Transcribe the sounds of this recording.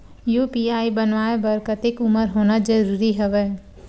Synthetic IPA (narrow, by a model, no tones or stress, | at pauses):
juːpiaːibənʋaːebəɾkət̪ɪkʊməɾɦoːnad͡ʒəɾuːɾiɦɛʋɛː